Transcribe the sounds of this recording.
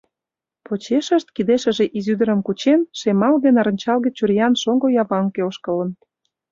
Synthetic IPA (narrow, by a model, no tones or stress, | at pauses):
pot͡ɕeʃə̆ʃt̪̚kid̪eʃə̆ʒeʔizyd̪ə̆ɾə̆mkut͡ɕenʃemɑlɣenɑɾə̆nʲt͡ɕɑlɣĕt͡ɕurjɑnʃoŋɡojɑβɑŋkeoʃkələ̆n